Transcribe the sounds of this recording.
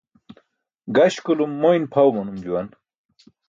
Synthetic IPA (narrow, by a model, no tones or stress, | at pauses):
ɡɐɕkulumːojnpʰɐwmɐnumd͡ʑuwɐn